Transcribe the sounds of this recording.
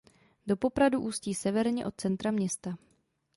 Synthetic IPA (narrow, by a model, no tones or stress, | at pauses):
do̞po̞pɾaduʔuːsciːsɛvɛɾɲɛʔo̞t̪̚t͡sɛnt̪ɾamɲɛst̪a